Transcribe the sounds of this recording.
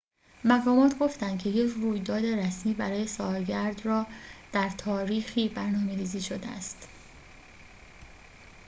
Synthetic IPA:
mæɣɒːmɒːt̪ʰɡo̞ft̪ænd̪kʰcʰe̞je̞cʰruːjd̪ɒːd̪e̞ɾæsmiːbæɾɒːje̞sɒːlɟæɾd̪rɒːd̪̥æɾt̪ʰɒːɾiːxiːbæɾnɒːme̞ɾiːziːʃod̪ḛæ̰st̪

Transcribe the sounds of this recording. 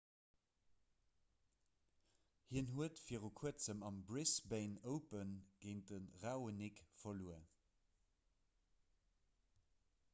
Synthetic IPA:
hiənɦuətfiːʁukʰuət͡səmɑmbʁisbeɪnəʊpənɡ̥eɪndənʁaʊənikfɐluə

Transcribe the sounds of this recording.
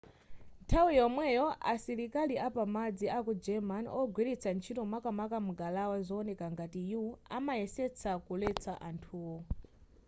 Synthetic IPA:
ntʰawujɔmwɛjɔʔasiɾikaliʔapamad͡ziʔakud͡ʒɛmanɔɡwiɾit͡sʰant͡ʃʰitɔmakamakamuɡalawazɔːnɛkaŋɡatijuuamajɛsɛt͡sʰakulɛt͡sʰaʔantʰuːwɔ

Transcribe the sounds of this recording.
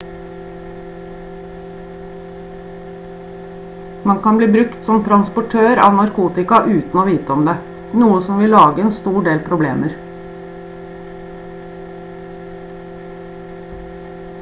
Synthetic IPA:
mɑŋkʰɑnbliːbɾʉkt̪sɔmt̪ʰɾɑnspɔʈʰøːɾɑ̰ːʋnɑɾkʰuːt̪ɪkɑʔʉːt̪n̩oːʋiːt̪əɔmd̪eː | nuːəsɔmʋɪlɑːɡəeːnst̪uːɖeːlpʰɾʊblḛːməɾ

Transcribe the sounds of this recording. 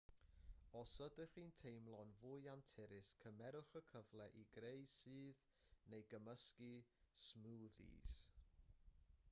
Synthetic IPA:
ɔsədəχintʰejmlˠɔnvʊjantʰɪɾɪskʰəmɛɾʊχəkʰəvlˠɛʔiɡrejsɨːð | nejɡəməskismuːðḭːs

